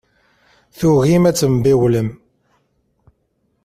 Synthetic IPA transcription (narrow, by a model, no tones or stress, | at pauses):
θuɣimæt͡sːəmbiwləm